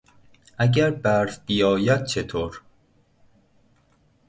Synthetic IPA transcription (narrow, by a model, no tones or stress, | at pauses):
ʔæɟæɾbæɾsb̥ijɒːjæd̪̥̚t͡ʃʰet̪ʰoːɾ